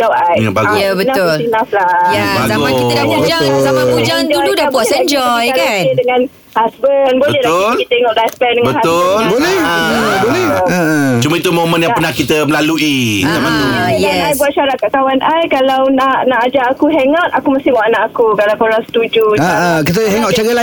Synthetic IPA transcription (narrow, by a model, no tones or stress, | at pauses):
daajbaɡabənaʊlinaflajabaɡakit̪ədad͡ʒad͡ʒasamaud͡ʒand͡ʒuudabuaɛɲd͡ʒɔjkaidəŋãn | hasbənboələnalit̪əeŋɔʔlaspɛndəŋabənhasʊlbolɛbolɛ | t͡ʃumait̪umomə̃njãənahkit̪əməlaluidamanuaajbuat̪̚ʃaɾat̪̚kaʔt̪awanʔajkalawnaʔnaʔad͡ʒaʔːkuɦeŋat̪̚akuməst̪ɪmaʔanaʔakukalawpəɾasə̥t̪ud͡ʒuakit̪̬əɦeŋɔʔt͡ʃaɡala